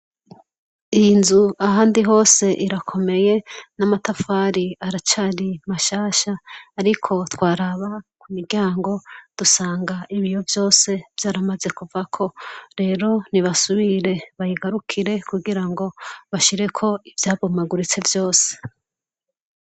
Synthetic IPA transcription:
iinzuaɦaːndiɦo̞ːse̞ʔiɾakʰo̞me̞je̞namatafaːɾiaɾat͡ʃaːɾimaʃaːʃaːɾikʰo̞twaːɾaβakumiɾɟaːŋɡo̞d̥usaːŋɡaiβijovjo̞ːse̞v̥jaːɾamaze̞kuvakʰo̞ɾe̞ːɾo̞niβasuβiɾe̞βajiɡaɾukʰiɾe̞kuɡiɾaŋɡo̞βaʃiɾe̞kʰo̞ivjaːβomaɡuɾit͡se̞vjo̞ːse̥

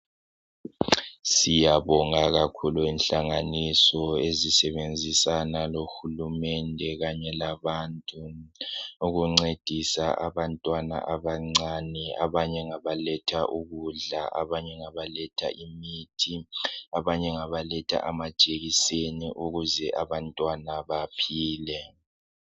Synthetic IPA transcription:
sijaβɔŋaɣakʰuluinɬaŋanisɔezisɛβend͡zʱisanaloxulumɛndʱɛɣaɲɛlaβantʼu | uɣuŋ͡ǀed̥ʱisaa̰βantʼwana̰ʔaβaŋ͡ǀania̰βaɲɛŋaβalɛtʰaʔuɣuɮaʔaβaɲɛŋaβalɛtʰa̰ʔimitʰiaβaɲɛŋaβalɛtʰa̰ʔamad̥ʒ̥ʼeɣiseniʔuɣuzɛʔaβantʼwanaβapʰiːlɛ

